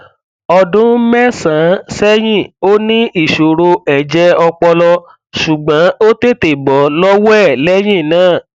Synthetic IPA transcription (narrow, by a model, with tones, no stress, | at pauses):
ɔ˧dũ˦mɛ˦sã˨˦sɛ˦j̃ĩ˦˨o˦nĩ˦i˦˨ʃo˨ɾo˧ɛ˨d͡ʒɛ˧˦ɔ˧k͡pɔ˧lɔ˧ | ʃu˨ɡ͡bã˨˦o˦te˦˨te˨bɔ˨˦lɔ˦wɛ˦˨lɛ˦j̃ĩ˦˨nãː˦˨